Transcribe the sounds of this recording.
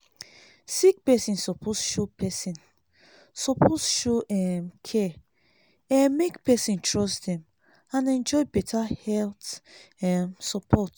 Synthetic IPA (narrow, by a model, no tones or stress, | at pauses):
sik̚pɛsĩnsɔpʰosʃopʰɛsĩn | sɔpʰosʃoɛmkʰɛ | ɛmːekpɛsĩntʰɹɔstdɛ̃m | ãnɛ̃nd͡ʒɔɪbɛtʰahɛlt | ɛmsɔpʰɔt